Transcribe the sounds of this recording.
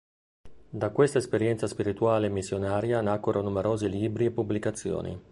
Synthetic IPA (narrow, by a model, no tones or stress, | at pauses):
d̪akwest̪aespeɾjɛnt̪saspiɾit̪uaːleːmːisːjonaːɾjanakːoɾonumeɾoːziliːbɾiepːublikat̪sːjo̰ːnḭ